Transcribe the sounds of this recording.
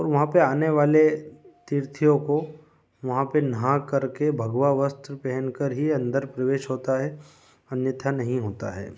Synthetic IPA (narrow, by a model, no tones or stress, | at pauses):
ɔːɾʋɐɦãpeaːneʋaːlet̪iɾt̪ʰijõko | ʋɐɦãpenɐɦãkɐɾkebʱɐɡʋaʋəst̪ɾəpɛɦənkəɾɦiɐ̃nd̪əɾpɾɐʋeːʃɦoːt̪aɦɛ | ɐnjət̪ʰanɐɦĩɦoːt̪a̰ɦɛ̰ː